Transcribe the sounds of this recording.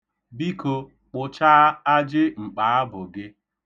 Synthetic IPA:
bi˦ko˨ | k͡pʊ˨t͡ʃa˦a˦d͡ʒɪ˦ŋ͡m̩˨k͡paː˨˦a˦bʊ˨ɡɪ˦

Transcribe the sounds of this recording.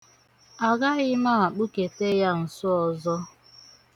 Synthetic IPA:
a˨ɡa˦ɣɪ˦ma˦˨a˨k͡pu˦ke˨te˦ja˦n̩˨sʊ˦ɔ˨zɔ˦

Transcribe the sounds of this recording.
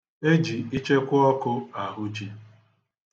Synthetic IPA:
e˦d͡ʒi˨i˦t͡ʃe˦kʷʊ˦ɔ˦kʊ˦a˨ɦʊ˦d͡ʒi˦

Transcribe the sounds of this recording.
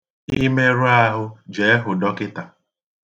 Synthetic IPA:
ii˦me˦ɾʊ˦a˦ɦʊ˦d͡ʒe˨e˦ɦʊ˨dɔ˦kɪ˦ta˨

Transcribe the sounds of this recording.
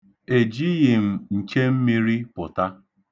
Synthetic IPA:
e˨d͡ʒi˦ɣɪ˨m̩˨ŋ̩˨ke˦m̩˦mi˦ɾi˦pʊ˨ta˦

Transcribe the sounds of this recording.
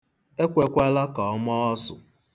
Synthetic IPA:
e˦kʷe˦kʷa˦la˦kɔ˨ɔ˦mɔ˦ɔ˦sʊ˨

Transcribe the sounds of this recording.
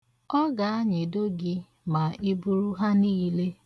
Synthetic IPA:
ɔ˦ɡa˨a˦ɲɪ˨do˦ɡɪ˦ | ma˨ʔi˦bu˦ɾu˦ɦa˦niː˦le˦

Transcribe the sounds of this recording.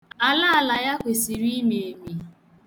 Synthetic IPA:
a˨la˦a˨la˨ja˦kʷe˨si˨ɾi˦me˨e˨mi˨

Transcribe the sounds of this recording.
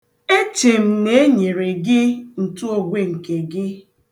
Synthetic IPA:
e˦t͡ʃe˨m̩˨ne˦e˦ɲe˨ɾe˨ɡɪ˦n̩˨tu˦o˨ɡʷe˦ŋ̩˨ke˨ɡɪ˦

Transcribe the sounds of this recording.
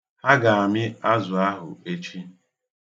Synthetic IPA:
ha˦ɡa˨a˨mɪ˦a˦zʊ˨a˦ɦʊ̰˨e˦t͡ʃi˦

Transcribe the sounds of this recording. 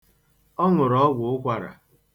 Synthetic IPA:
ɔ˦ŋʊ˨ɾɔ˨˦ɡʷʊ˨ʊ˦kʷa˨ɾa̰˨

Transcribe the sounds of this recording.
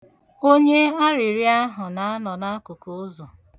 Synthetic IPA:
o˦ɲe˦a˦ɾɪ˨ɾi˦a˦ɦʊ˨na˨a˦nɔ˨na˦a˦kʊ˨ko˨˦o˦zo˨

